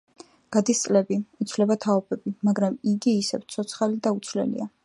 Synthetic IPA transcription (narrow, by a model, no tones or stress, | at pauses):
ɡ̥ad̪ist̪sʼlɛbiit̪sʰvlɛbat̪ʰaɔbɛbimaɡɾamiɡiːsɛ̰wt̪sʰɔt̪sʰχalid̪aut̪sʰvlɛ̰lḭa